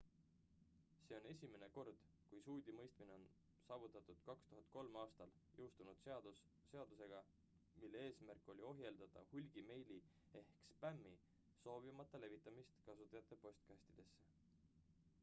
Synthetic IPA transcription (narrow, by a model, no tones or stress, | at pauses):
se̞o̞ne̞sʲime̞ne̞ko̞rd̪̥ | kujsuːd̪̥ʲimɤjst̪mine̞o̞n | sɑːvut̪ːˑɑt̪ːˑud̪̥kɑkst̪uɦɑnd̪̥̚ko̞lmɑːst̪ɑljʔɤwst̪unud̪̥seɑd̪ | se̞ɑd̪̥use̞ɡ̥ɑ | milːe̞e̞ːsmærkːˑo̞lʲio̞ɦje̞ld̪̥ɑt̪ɑ̰hulʲɡ̥ime̞jli | e̞hkspæmːi | so̞ːbimɑt̪ˑːɑle̞vit̪ːˑɑmist̪kɑsut̪ːˑɑjɑt̪ˑːe̞po̞st̪̚kɑsʲt̪id̪̥e̞sːe